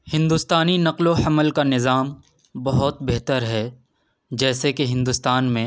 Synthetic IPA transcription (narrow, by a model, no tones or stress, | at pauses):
hɪ̃nd̪uːst̪aːninɐqloɐməlkanɪzaːm | bɐɦʊt̪̚beɦt̪əɾɦɛ | d͡ʒɛːsekeɦɪ̃nd̪uːst̪aːnmẽ